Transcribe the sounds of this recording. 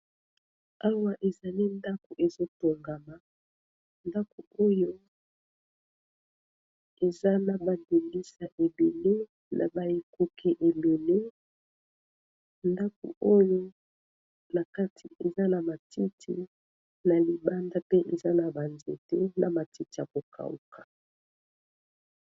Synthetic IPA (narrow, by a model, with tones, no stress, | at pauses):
a˦wa˦ʔe˨za˨li˦nda˦ko˨ʔe˨zo˦to˨ŋɡa˨ma˨ | nda˦ko˨o˦jo˦ | e˨za˦na˨ba˨de˨li˦sa˨ʔe˨be˨le˦ | nʔa̰˨ba˨je˨ko˨kʰe˨ʔe˨le˨le˦ | nda˦ko̰˨o˦jo˦ | na˨ka˦tʰi˨e˨za˦na˨ma˨ti˦tʰi˦ | na˨li˨ba˦nda˦pe˦ʔe˨za˦na˨ba˨nzḛ˨te˦na˨ma˨ti˦ti˨a˨ko˨kʰa̰˨ṵ˨kḁ˨